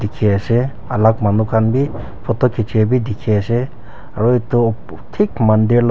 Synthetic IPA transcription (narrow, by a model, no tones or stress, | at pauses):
dikʰease | alak̚manukʰanbi | pʰɔtɔkʰit͡ʃʰebidikʰease | aɾɔit̪u | tʰik̚mandiɾl